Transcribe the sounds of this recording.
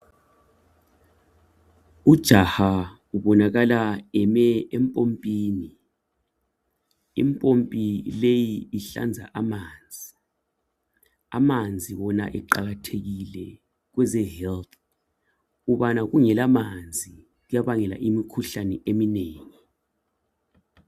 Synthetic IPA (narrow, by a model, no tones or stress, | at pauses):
ud̥ʒ̥ʱaha | uβɔnaɣalaɛmɛɛmpʼompʼiːni | ḭmpʼompʼilejiːɬa̰nd͡zʱa̰ʔamaːnd͡zʱi | a̰mand͡zʱiβɔna̰ʔɛǃaɣatʰeɣilɛ | ɣ̬wɛzɛhɛlt | uβanaɣuŋɛlamand͡zʱi | ujaβaŋɛla̰ʔimikʰuɬanɛʔemineːŋi